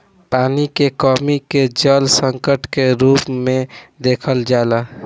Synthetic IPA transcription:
panikekɔmiked͡ʒəlsəŋkəʈkeɾupmed̪ekʰəld͡ʒaela

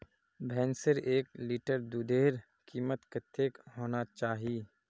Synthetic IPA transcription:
bʱɛːnsɪɾeːkliːʈəɾd̪uːd̪eːɾ | kiːmət̪kət̪ʰːeːkɦoːnat͡ʃaːɦiː

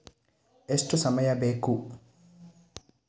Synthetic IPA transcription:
esʈɔsɐmɐjɐbeːkːu

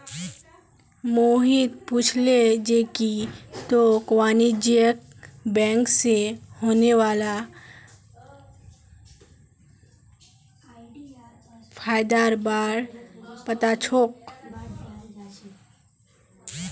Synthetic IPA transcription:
moːɦit̪puːt͡ʃʰled͡ʒeːkit̪okwaːnid͡ʒjəkbɛ̃ːŋksehoːneʋaːla | pʰaːjd̪aːɾbaːɽpət̪at͡ʃʰoːk̚

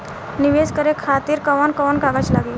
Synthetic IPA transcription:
niʋeskəɾekʰat̪iːɾkəʋankəʋankaɡat͡ɕlaɡeː

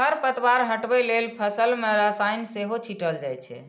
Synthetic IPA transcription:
əɾpət̪waɾɦəʈbɛlelpʰəsəlmeɾəsajnseɦot͡ʃʰiʈəld͡ʒajt͡ʃʰɛ̰

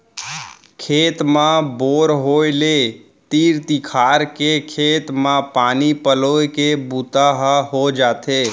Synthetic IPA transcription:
kʰeːt̪mãboːɾɦoːele | t̪iːɾt̪ikʰaːɾkekʰeːt̪mãpaːnipəloːekebuːt̪aɦəɦod͡ʒaːt̪eː

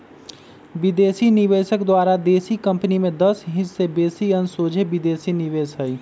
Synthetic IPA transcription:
bɪd̪eːsinɪʋeːsəkd̪waːɾad̪eːsikə̃mpnimẽd̪əsɦɪ̃t͡ʃsebeːsiənsoːd͡ʒʱebɪd̪eːsinɪʋeːsɦəi

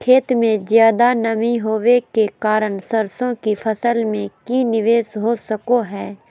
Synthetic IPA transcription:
kʰeːt̪mẽzjaːd̪anɐmĩɦoːʋekekaːɾəɳsəɾsõkifʰɐsəlmẽkinɪʋeːsɦoːsəkoɦɛː

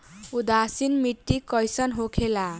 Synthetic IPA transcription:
ud̪asinmiʈːikʌjsʌnɦokʰela

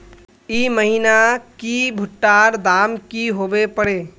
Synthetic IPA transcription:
iməɦinakibʱʊʈːaːɾd̪aːmkiɦoːbepəɽeː

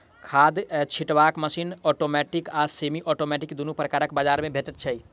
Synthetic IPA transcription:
kʰaːd̪t͡ʃʰiʈʋaːkməsiːnɔːʈoːmɛːʈɪkaːsemiʔɔʈoːmɛʈɪkd̪unupɾəkaːɾəkbaːd͡ʒaːɾmẽbʱeʈət̪̚t͡ʃʰəi

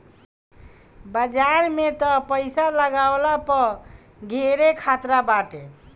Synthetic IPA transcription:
bəd͡ʒaɾmet̪ɔpəɪsaləɡawlapə | ɡʱeɾekʰat̪ɾabaʈe

